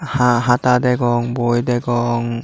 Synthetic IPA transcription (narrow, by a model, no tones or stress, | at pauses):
haɦat̪ad̪ɛɡɔŋbojd̪ɛɡɔŋ